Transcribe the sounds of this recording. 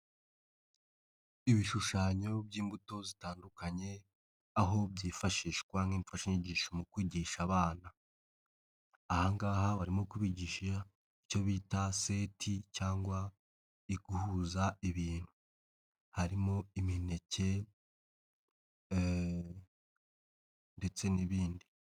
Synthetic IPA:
iβiʃuʃaːɲo̞bɟiːmbuto̞zitaːndukaɲe̞ | aɦo̞bjiːfaʃiːʃkwaŋiːɱfaʃiɲiɟiːʃomukwiːɟiʃaβaːna | haŋɡaːɦaβaɾimo̞kuβiːɟiːʃa | ico̞βiːtase̞tʰicaːŋɡwa | iɡuhuːzaiβiːn̥hu̥ | haɾimo̞imine̞ce̞ | nde̞t͡se̞niβiːndi

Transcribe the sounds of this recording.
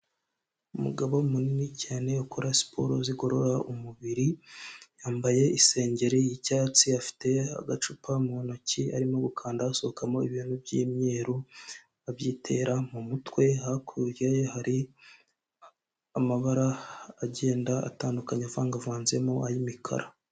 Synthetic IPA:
umṵɡaβo̞umuninicʰaːne̞ukʰoɾasi̥pʰo̞̰ɾo̰ziɡo̞ɾo̞ɾaumuβiɾijaːmbaje̞ise̞ːɲɟe̞ɾejicaːt͡siafi̥te̞a̰ɡat͡ʃupʰamuonocia̰ɾimo̞ɡukʰaːndaːso̞hokamo̞iβianubɟiːmɲe̞ːɾu | aβjiːtʰe̞ːɾamumutwe̞hakʰuɾajehaɾi | amaβaɾaːɟe̞ːndaa̰taːndukaɲavaːŋɡavaːnze̞moajimikʰa̰ɾa

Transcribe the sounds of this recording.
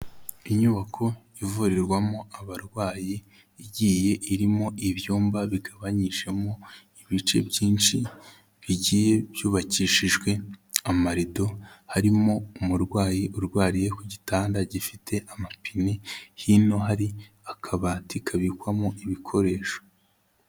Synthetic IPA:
iɲuβakʰo̞ | ivuɾiɾɡwamo̞aβaɾɡwaːjiː | ɟiːje̞ʔiɾimo̞ʔiβjuːmbaβiɡaβaɲiʒe̞mo̞ | iβit͡ʃe̞̰bɟiːnʃi | βiɟiːje̞b̥juːβaciʃiʒɡwe̞amaɾido̞haɾimo̞umuɾɡwaːjiʔuɾɡwaːɾijekuɟitaːndaɟifitʰe̞ʔamapinehino̞ɦaɾi | akʰaβaːtikʰaβikwamoiβikʰo̞ɾe̞ːʃo̥

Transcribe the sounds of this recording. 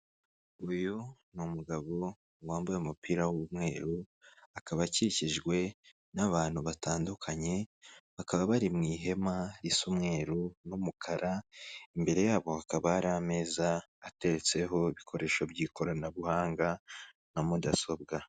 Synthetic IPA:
ujunumuɡaβo̞ | ŋwaːmbujeumupiːɾawumŋe̞ːɾu | akaβaciiciʒɡwe̞ | naβaːn̥huβataːndukʰaɲe̞βakaβaβaɾimŋiːɦe̞maɾisumŋe̞ːɾunumukʰaɾʔaimbe̞ɾe̞jaːβo̞hakaβaːɾame̞ːzaːte̞ɾet͡se̞ɦo̞iβikʰo̞ɾʔe̞ːʃobɟiːkʰo̞ɾanaβuhaːŋɡa | namudaso̞bɡa

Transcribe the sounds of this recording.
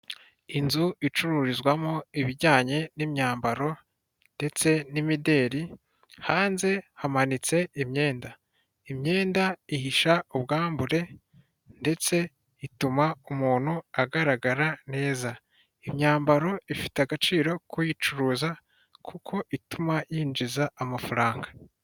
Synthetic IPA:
inzuit͡ʃuɾuɾizɡwamoiβiɾɟaːɲe̞nimɲaːmbaɾo̞ | nde̞t͡se̞nimide̞ːɾi | haːnze̞hamanit͡se̞imɲe̞ːnda | imɲe̞ːndaihiʃauβɡaːmbuɾe̞ | nde̞t͡se̞ | itumaumuːn̥huaɡaɾaɡaɾane̞ːza | imɲaːmbaɾo̞ifi̥teaɡat͡ʃiːɾo̞kujit͡ʃuɾuːza | kʰukʰo̞ʔitumajiːnd͡ʒizaːmafaɾaːŋɡḁ

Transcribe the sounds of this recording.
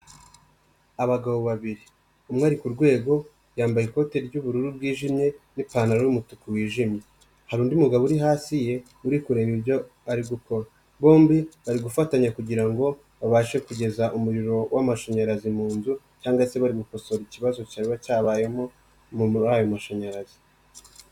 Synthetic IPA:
aβaɡaβoβaβiɾi | umŋaːɾikuɾɡwe̞ːɡo̞ | ɾjaːmbajiko̞te̞ɾiɾɟuβuɾuɾub̚ɡiːʒimɲe̞nipaːnaɾowumutukuwiːʒimɲe̞ | haɾuːndiumuɡaβuɾiɦaːsije̞ | uɾikuɾeɾiɾjo̞ | aɾiɡuko̞ɾa | βo̞ːmbiβaɾiɡufataɲakuɟiɾaŋɡo̞ | βaβaʃe̞kuɟe̞zaʔumuɾiɾo̞wʔamaʃaɲaɾazimuːnzu | caːŋɡase̞βaɾiɡuko̞so̞ɾiciβazo̞caːɾiβacaːβaːje̞mo̞ | muajo̞maʃaɲaɾazi̥

